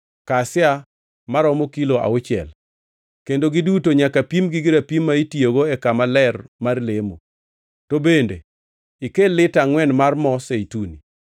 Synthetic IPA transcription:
kasɪja | maɾɔmokiloʔa̰ʊt͡ʃɪɛ̰l | kendoɡɪdutoɲakapimɡiɡɪɾapimːaitioɡoɛkamalɛrmarlemo̰ | tobendḛ | ikelɪtaŋwɛnmarmɔseituni

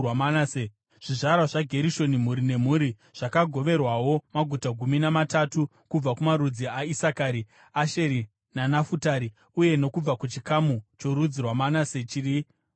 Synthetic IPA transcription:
wamanase | ʐ̥iʐaɾaʐaɡʱe̞ɾiʃo̞nim̤uɾine̞m̤uːɾi | ʐ̥akaɡʱo̞ʋe̞rwawo̞maɡʱutaɡʱuminamatatu | kub͡vakumaɾud͡ziaisakaɾi | aʃe̞ɾi | nanafutaɾi | uje̞no̞kub͡vakut͡ʃikamut͡ʃo̞ɾud͡zirwamanaset͡ʃiri

